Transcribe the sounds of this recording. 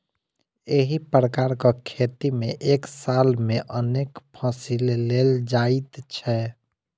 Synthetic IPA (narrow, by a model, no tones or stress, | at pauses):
eɦipɾəkaɾkakʰet̪imẽʔeksalmeʔəneːkpʰãsilleld͡ʒait̪t͡ʃʰɛ